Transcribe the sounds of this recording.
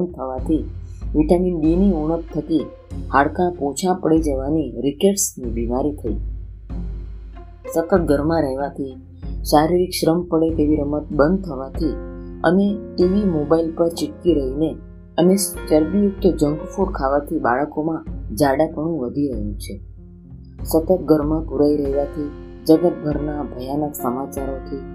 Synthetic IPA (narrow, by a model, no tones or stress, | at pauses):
ən̚t̪ʰəʋat̪ʰiʋiʈaminɗiniuɳ̃ək̚t̪ʰək̪i | haɽkãpõt͡ʃʰãpəɽid͡ʒəʋaniɾikeʈsnibimaɾit̪ʰəḭ | sək̪ət̪̚ɡʱəɾmãɾɛɦʋat̪ʰi | ʃaɾiɾikʃɾəmpəɽet̪eʋiɾəmət̪̚bənd̪̚t̪ʰəʋat̪ʰiə̰neʈiʋimobailpəɾt͡ʃɪʈkiɾəɦine | ənet͡ʃəɾbijʊk̚t̪əd͡ʒəŋɡfuɾkʰaʋat̪ʰibaɭəkomãd͡ʒaɽapəɳ̃ũʋəd̪ʱiɾəɦjṵ̃t͡ʃʰe | sət̪ət̪̚ɡʱəɾmãpuɾaiɾəɦʋat̪ʰi | d͡ʒəɡət̪̚ɡʱəɾnabʱəjanək̪səmat͡ʃaɾot̪ʰi